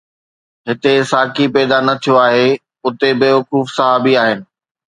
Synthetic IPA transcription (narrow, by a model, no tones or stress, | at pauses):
ɦɪt̪esaːkʰipɛːd̪anɐt̪ʰijoaːɦe | ʊt̪ebɪːʋɐkuːfsɐɦaːbiaːɦɪnɪ̆